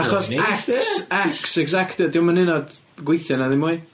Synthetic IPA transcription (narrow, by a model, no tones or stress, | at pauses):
aχɔsasaksɛɡzaktɛdɪwmanɪnɔd | ɡwejθjɔnaðɪmuɨ